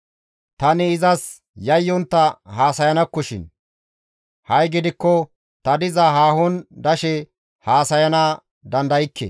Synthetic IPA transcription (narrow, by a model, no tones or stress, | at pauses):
t̪ɐnɪːzɐs | jɐjːɔnt̪ːɐɦaːsɐjɐnɐkːɔʃɪ̰n | hɐjɡɪd̪ɪkːɔ | t̪ɐd̪ɪzɐɦaːhɔnd̪ɐʃɛ | haːsɐjɐnɐ | d̪ɐnd̪ɐjɪkʰːɛ̰